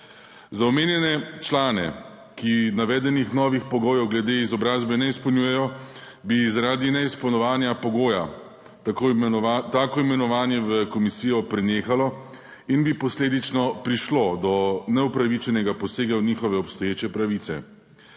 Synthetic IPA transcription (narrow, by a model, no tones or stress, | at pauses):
zaɔmeːnjɛnɛt͡ʃlaːnɛ̰ | kinaʋɛːd̪ɛnixnɔːʋixpɔɡoːjɔwɡlɛd̪eizɔbɾaːzbɛnɛispɔwnjuːjɛjɔ | bizaɾaːd̪inɛispɔwnɔʋaːnjapɔɡoːja | t̪aːkɔimɛnɔʋaːnjɛʋəkɔmisijɔpɾɛneːxalɔ | inbipɔsleːd̪it͡ʃnɔpɾiʃlod̪ɔnɛupɾaʋit͡ʃɛnɛɡapɔseːɡawnixɔʋɛɔpst̪ɔjeːt͡ʃɛpɾaʋiːt̪sɛ̰